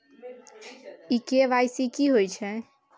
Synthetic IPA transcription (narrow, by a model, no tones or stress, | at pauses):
ikeʋajsikiɦojt͡ʃʰɛ̃